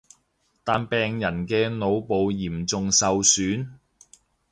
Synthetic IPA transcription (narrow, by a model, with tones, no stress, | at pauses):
t̪aː˨npɛː˨˩ŋjɐ˨˩nkɛː˧no˨˧wpo˨wjiː˨˩mt͡sʊ˨ŋsɐ˨wsyː˨˥n